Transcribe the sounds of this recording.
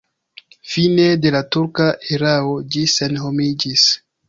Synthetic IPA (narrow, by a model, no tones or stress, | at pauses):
fine̞de̞latuɾkaʔeɾao̞d͡ʒise̞nɦo̞mid͡ʒis